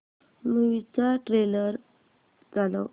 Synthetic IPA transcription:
muʋit͡saʈɾeləɾ | d͡zalo̰

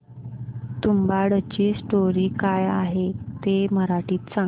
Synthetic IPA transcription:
t̪umbaɽət͡ɕiːsʈoɾiːkajaɦet̪eməɾaʈiːt̪sã

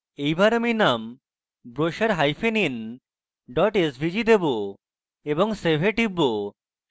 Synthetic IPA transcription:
ejbaɾaminam | bɾoʃaɾɦajfenin | ɖɔʈesbʱid͡ʑid̪ebo | eboŋsebʱeʈibːo

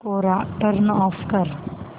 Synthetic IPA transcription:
koːɾaʈəɾnɔːfkəɾ

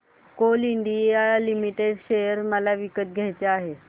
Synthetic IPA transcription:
koliɳɖialimiʈeɖɕeəɾməlaʋikət̪̚ɡʱajt͡seaɦe

